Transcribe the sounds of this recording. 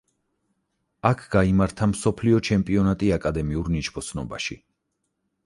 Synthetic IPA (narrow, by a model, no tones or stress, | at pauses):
akʰɡ̥aimaɾt̪ʰamsɔpʰliɔt͡ʃʰɛmpʼiɔnat̪ʼiakʼad̪ɛmiuɾnit͡ʃbʰɔt̪sʰnɔ̰ba̰ʃi